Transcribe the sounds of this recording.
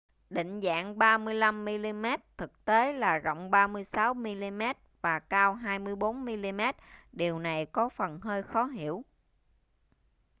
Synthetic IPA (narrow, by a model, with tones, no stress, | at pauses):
ɗḭ̈˧˨ŋ̟za̰ː˧˥˨ŋɓaː˧mɨ˧əjla˧mːi˧li˧mɛ˦˥t̚t̪ʰɨ˨˩k̚t̪e˨˦laː˨˩zɔ̰˧˨wŋ͡mɓaː˧mɨ˧əjsaː˨˦wmi˧li˧mɛ˦˥t̚vaː˨˩kaː˧wɦaː˧jmɨ˧əjɓo˨˦nmi˧li˧mɛ˦˥t̚ɗi˨˩əwna˨˩jkɔ˨˦fə˨˩nɦəː˧jxɔ˨˦ɦḭ˧˩˨əw